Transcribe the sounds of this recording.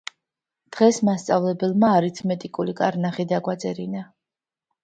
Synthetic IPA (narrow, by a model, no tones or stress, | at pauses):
d̪̥ʁɛsmast̪sʼavlɛbɛlˠmaːɾit̪sʰmɛt̪ʼikʼulikʼaɾnaχid̪aɡwat̪sʼɛɾina